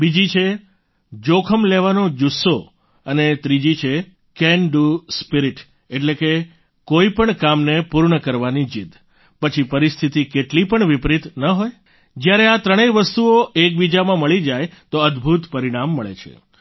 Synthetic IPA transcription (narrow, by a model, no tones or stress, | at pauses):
bid͡ʒit͡ʃʰe | d͡ʒokʰəmleʋanod͡ʒusːo | ənet̪ɾid͡ʒit͡ʃʰe | kɛnɖuspiɾiʈ | eʈleke | koipəɳkamnepuɾɳəkəɾʋanid͡ʒid̪ | pət͡ʃʰipəɾist̪ʰit̪ikeʈlipəɳʋipɾit̪nəɦoj | d͡ʒjaɾeat̪ɾəɽ̃eʋəst̪uoek̚bid͡ʒamãməɭid͡ʒajt̪oəd̪bʱut̪pəɾiɽ̃amːəɭḛt͡ʃʰḛ